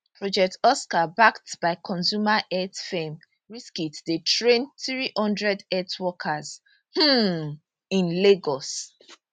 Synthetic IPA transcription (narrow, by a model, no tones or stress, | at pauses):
pʰɹɔd͡ʒɛk̚tɔskabaktb̥aɪkʰɔ̃nsumaʔɛtfẽm | ɹiskitdetɹẽnθɹihɔ̃ndɹɛdɛtwɔkʰaz | h̩ | ĩnleɡɔs